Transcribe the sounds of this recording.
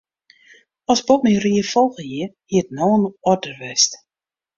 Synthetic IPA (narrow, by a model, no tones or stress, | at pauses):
ɔsbɔtmiriəfɔlˠɣəjiəhiətnoːənɔdərʋɛst